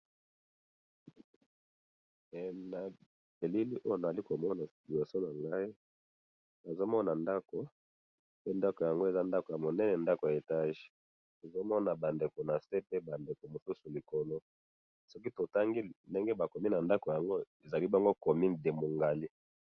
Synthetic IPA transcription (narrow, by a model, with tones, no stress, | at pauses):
na˨ | e˨li˦li˦ʔo˦jo˦na˨za˨li˦ko˨mɔ˦na˨bi˨o˨so˦na˨ŋɡa˦i˦ | ba˨zo˦mɔ˦na˨nda˦ko˨ | pe˦nda˦ko˨ja˨ŋɡo˦e˨za˦nda˦ko˨ja˨mo˨nɛ˦nɛ˨nda˦ko˨ja˨e˨ta˦ʒ̥ | to˨zo˦mɔ˦na˨ba˨nde˨ko˨na˨se˦pe˦ba˨nde˨ko˨mo˨su˦su˨li˨ko˨no˦ | sɔ˦k̬i˦to˨ta˦ŋɡi˦nde˦ŋɡe˦ba˨ko˨mi˦na˨nda˦ko˨ja˨ŋɡo˦e˨za˨li˦ba˦ŋɡo˦ko˨mi˦de˨mo˨ŋɡa˨li˦